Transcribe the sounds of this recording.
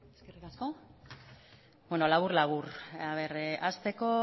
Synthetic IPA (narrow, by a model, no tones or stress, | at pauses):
eskerikasko̞ | bweno̞laβuɾlaβuraβe̞ɾʔast̪e̞ko̞